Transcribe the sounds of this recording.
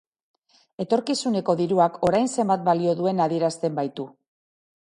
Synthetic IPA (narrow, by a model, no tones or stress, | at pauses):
e̞t̪o̞ɾkisune̞ko̞ðiɾuako̞ɾajnse̞mbat̪̚balio̞ðue̞naðie̞ɾast̪e̞mbajt̪u